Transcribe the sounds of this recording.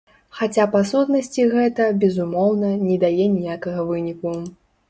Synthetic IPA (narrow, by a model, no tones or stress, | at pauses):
xat͡sʲapasut̪nɐsʲt͡sʲiɣɛt̪ɐbʲɛzumɔwnɐnʲɛd̪ajɛnʲijakɐɣɐvɨnʲiku